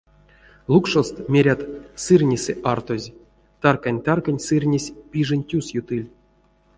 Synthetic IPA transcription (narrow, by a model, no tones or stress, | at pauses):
lˠukʂost̪mʲeɾʲat̪sɨrʲnʲisʲɛ̰ʔart̪ozʲ | t̪arkanʲt̪arkanʲsɨrʲnʲesʲpʲiʐɨnʲtʲusjut̪ɨlʲ